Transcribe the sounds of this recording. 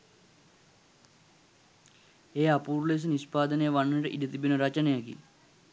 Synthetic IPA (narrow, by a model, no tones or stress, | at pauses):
eːapuːɾles̬ənispaːd̪ənejəʋanːəʈəʔidət̪ibinəɾat͡ʃənejaɡḭ